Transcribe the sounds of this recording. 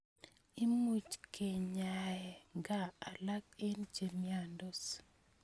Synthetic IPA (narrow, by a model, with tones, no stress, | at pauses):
i˦mu˨t͡ʃke˨ɲa˨jɛ˨ŋɡa˦˨a˨la˦ke˦nd͡ʒe˨mia˨ndo˦s